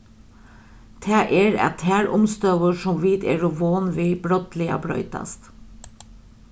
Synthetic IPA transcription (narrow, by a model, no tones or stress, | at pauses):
t̪ʰæːʔeːɾɛ̰t̪hæːɾʔʊmst̪œʋəʃɔmʋiːt̪ḛːɾʊʋoːnʋiːb̥ɾɔt̪lɪɑ̰bɾœ̰ʏt̪ɑ̰st̪